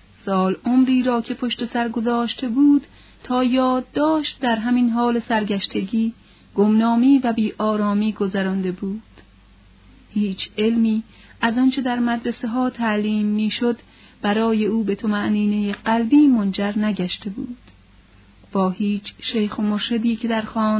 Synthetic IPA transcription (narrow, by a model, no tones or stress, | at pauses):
sɒːlʔomɾiːɾɒːcʰe̞pʰo̞ʃt̪e̞sæɾɡo̞zɒːʃt̪ʰe̞buːd̪̥ | t̪ʰɒːjɒːd̪ːɒːʃt̪̚d̪æɾɦæminɦɒːle̞sæɾɡæʃt̪ʰe̞ɟiː | ɡ̥omnɒːmiːvæbiːʔɒːɾɒːmiːɡozæɾɒnd̪e̞buːd̪̥ | hiːt͡ʃʰe̞lmiː | æzɒnt͡ʃʰe̞d̪æɾmæd̪ɾese̞ɦɒːt̪ʰæʔliːmːiːʃod̪ | bæɾɒːje̞uːbe̞t̪ʰomæʔniːne̞jeɢælbiːmond͡ʒæɾnæɟæʃt̪e̞buːd̪̥ | b̥ɒːhiːt͡ʃʰʃejxomoɾʃed̪iːcʰe̞d̪æɾxɒːn